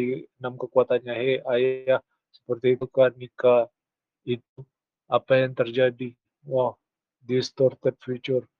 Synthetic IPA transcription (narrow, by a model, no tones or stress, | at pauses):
inamkəkuat̪anɲaɦeajah | sə̥pərt̪iːukanika | it̪u | apajaŋt̪ərd͡ʒadi | wah | dist̪ɔrt̪ɛd̚fut͡ʃur